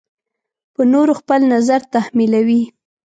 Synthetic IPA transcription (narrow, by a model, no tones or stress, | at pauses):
pənoɾoxpəlnazaɾt̪ahmilawi